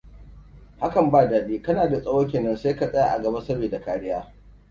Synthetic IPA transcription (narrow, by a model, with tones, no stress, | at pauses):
ha˦kɐ˨mbaː˦˨daː˨ɗiː˦kɐ˦naː˨da˨sʼɐ˦woː˦k̬ʲeː˨nɐ˦nseː˦ka˨sʼɐ˦jaː˨ʔa˨ɡɐ˨bɐ˦sɐ˦ɽbeː˨da˨kaː˦ɽɪ˦jaː˦